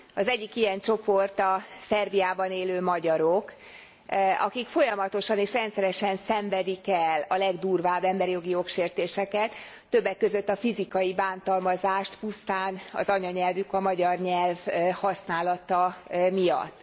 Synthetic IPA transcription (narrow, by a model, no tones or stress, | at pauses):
ɒzɛɟːikijɛnt͡ʃo̞port̪ɒsɛrbijaːbɒneːløːmɒɟɒɾo̞k | ɒ̰kikfo̞jɒmɒt̪o̞ʃɒneːʃrɛnt̪sɛɾɛʃɛnsɛɱvɛd̪ikɛlɒlɛɡd̪uːrvaːbɛmbɛɾijo̞ɡijo̞kʃeːrt̪eːʃɛkɛt̪ː | ø̞bːɛkːø̞zø̞t̪ːɒfizikɒjibaːnt̪ɒlmɒzaːʃt̪pust̪aːnɒ̰zɒɲɒɲɛlvykɒmɒɟɒrɲɛlvhɒsnaːlɒt̪ɒmijɒ̰t̪ː